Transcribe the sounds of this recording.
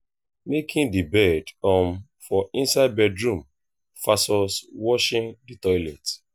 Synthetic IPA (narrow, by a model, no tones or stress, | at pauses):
mekʰĩndibɛdɔ̃m | fɔĩnsaɪd̚bɛdɹũm | fasɔswɔʃĩnditɔɪlɛt